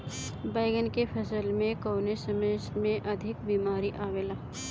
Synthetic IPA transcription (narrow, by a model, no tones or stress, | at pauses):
baːɪɡənkepʰɐsəlmẽkoːnesəməsmẽʔɐd̪ʱɪkbiːmaːɾiʔaːʋelaː